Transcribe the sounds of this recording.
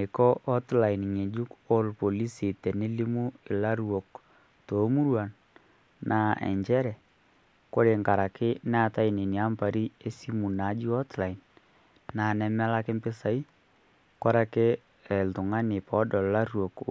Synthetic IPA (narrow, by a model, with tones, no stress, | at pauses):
ɪ˨kɔ˦ʔɔ˦tla˨in˨ɲe˨d͡ʒu˦ko˦lpo˨li˦si˨tɛ˨nɪ˦li˦mu˦ɪ˨la˦ɾwɔ˨k | to˨˦mu˦ɾwa˨n | na˨ɛ̰˨ɲt͡ʃɛ˦ɾɛ˨ | ko˦ɾe˨ŋka˨ɾa˨kɪ˦nɛ˦a˦˨ta˦i˨ni˨ni˨a˦mpa˨ɾi˦e˦si˦mu˨na˨˦d͡ʒi˦ɔ˦tla˨i˨n | na˨nɛ˨mɛ˦la˦kɪ˦mpɪ˦sa˨i˦ | ka˦ɾa˦kɪ˦ | ɛ˨ltʊ˨ŋa˦nɪ˨pɔ˨˦dɔ˨la˦ɾwɔ˨k